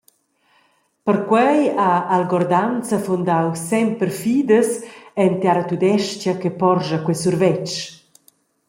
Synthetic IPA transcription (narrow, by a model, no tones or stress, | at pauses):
pəɾkwɛjaːlɡɔɾd̪ant͡səfund̪awsɛmpəɾfiːd̪əsɛnt̪jaɾat̪ud̪ɛʃcjakɛpɔɾʒɐkwɛsurvɛt͡ʃ